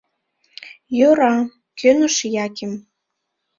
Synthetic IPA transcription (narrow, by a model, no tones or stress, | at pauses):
jøɾɑ | kʰønə̆ʃjɑkʲem